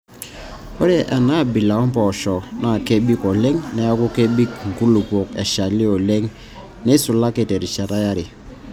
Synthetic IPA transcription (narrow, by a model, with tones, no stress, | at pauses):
o˦ɾe˦˨ʔa˨na˦˨bi˨la˨ɔ˦m˦pɔ˨ʃɔ˨na˨ke˦bi˦kɔ˨le˦ŋnɛ˨a˦ku˦ke˦bi˦k̚ŋ̩˨ku˦lu˨po˨kḛ˨ʃa˨li˦ɔ˨le˦ŋ | ne˦su˨la˦ke˨te˨ɾi˨ʃa˨ta˦ja˦ɾi˨